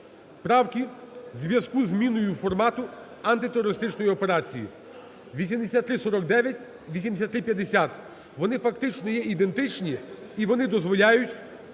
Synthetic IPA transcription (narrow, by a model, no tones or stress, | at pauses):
pɾɑwkʲizʋʲjɐskuzmʲinʊjʊfɔrmɑt̪ʊ | ɐnt̪ɪt̪eɾɔɾɪst̪ɪt͡ʃnɔjiɔpe̞ɾɑt͡sʲijḭ | ʋʲisʲimd̪esʲat̪ːɾɪsɔɾɔkd̪ɛʋʲjɐtʲ | ʋʲisʲimd̪esʲat̪ːɾɪpʲjɐd̪esʲat̪ | ʋɔnɪfɐkt̪ɪt͡ʃnɔjɛid̪e̞nt̪ɪt͡ʃnʲiiʋɔnɪd̪ɔzʋɔlʲajʊtʲ